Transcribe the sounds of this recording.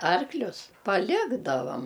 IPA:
ˈɐrklʲʊs pɐˈlʲɪɡdɐʋɐm

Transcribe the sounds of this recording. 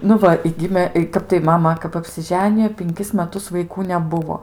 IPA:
nʊ ˈʋɐ ɪ ˈɡʲɪmʲeː ˈkɐp tɐɪ ˈmɑːmɐ kɐp ɐpʲsʲɪˈʒʲæːnʲɪjoː pʲɪŋʲˈkʲɪs mʲɛˈtʊs ʋɐɪˈkuː nʲɛˈbʊʋoː

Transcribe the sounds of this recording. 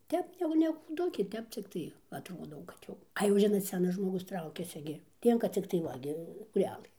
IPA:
ˈtʲɛp jɛʊ nʲɛ kuːˈdʊkʲeː ˈtʲɛp t͡sʲɪkˈtɐɪ jɛʊ ɐtˈroːdɐʊ kɐt ˈjɛʊ ɐ jɛʊ ˈʒʲɪnoːt ˈsʲæːnɐs ʒmoːˈɡʊs ˈtrɐʊkʲɛsʲɪ ɡʲɪ ˈlʲiɛŋkɐ ˈt͡sʲɪktɐɪ ˈʋɐ ɡʲɪ skuːˈrʲæːlˠɘ

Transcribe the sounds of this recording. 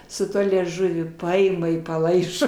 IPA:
sʊ ˈtuɔ lʲiɛˈʒʊʋʲʊ ˈpɐɪmɐ ɪ pɐˈlˠɐɪʒoː

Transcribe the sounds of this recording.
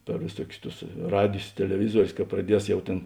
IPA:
pʲɛr ʋʲeːˈsuɔkʲʊs ˈtʊs ˈrɑːdʲɪjs tʲɛlʲɛˈʋʲɪzuɔrʲʊs kɐ prɐˈdʲiɛs jɛʊ ˈtʲeːn

